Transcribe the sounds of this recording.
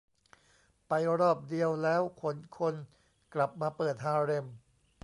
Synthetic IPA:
pa˧jɾɔː˥˩p̚di˧əwlɛː˦˥wkʰo˩˦nkʰo˧n | kla˨˩p̚maː˧pɤː˨˩t̪̚ɦaː˧ɾe˧m

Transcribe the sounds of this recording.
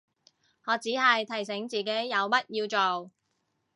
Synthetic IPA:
ŋɔː˨˧t͡siː˨˥hɐ˨jt̪ʰɐ˨˩js̬ɪ˨˥ŋt͡siː˨ke˨˥jːɐ˨˧wmɐ˥t̚jiː˧wt͡so˨w

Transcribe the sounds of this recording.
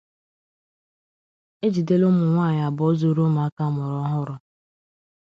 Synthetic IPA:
e˦d͡ʒi˨de˦lʊ˦mʊ˨ŋʷaː˦˨ɲa˨bɔ˦zu˦ɾo˦ma˨a˦ka˦mʊ˨ɾɔ˦ɦʊ˦ɾʊ˨

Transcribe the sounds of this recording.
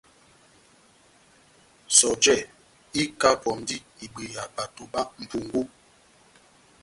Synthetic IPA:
sɔ˨d͡ʒɛ˦˨ | i˦ka˦pɔ˨m˨˦di˦i˨ɡ͡be˨a˨k͡pa˨to˨ba˦m̩˨pu˨ŋɡu˦

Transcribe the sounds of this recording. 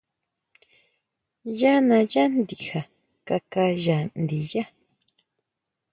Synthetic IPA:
ja˦nã˧ja˦nd̪i˨ha˨ | ka˧ka˧ʒa˨nd̪i˨ja˦

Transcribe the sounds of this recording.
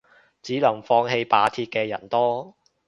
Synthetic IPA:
t͡siː˨˥lɐ˨˩ŋfɔː˧ŋɦe˧jpaː˨˧˥t̪ʰiː˧t̚kɛː˧jɐ̰˨˩nt̪ɔː˥

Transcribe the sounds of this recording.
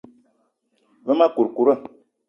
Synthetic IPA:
və˦ma˦ku˨ɾku˨ɾə˦˨

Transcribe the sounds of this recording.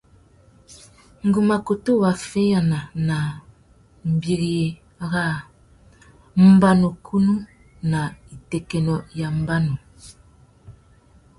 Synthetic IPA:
ŋ̩˦ɡu˨ma˨ko˨tu˦˨wa˨fe˦ja˨na˨na˨ | m̩˨bi˦ɣje˨˦ | ɣa˦ | m̩˦ba˦no˨kʰu˦nu˦ | na˨i˨tɛ˨kɛ˨nɔ˨ja˨m˦ba˦no˨

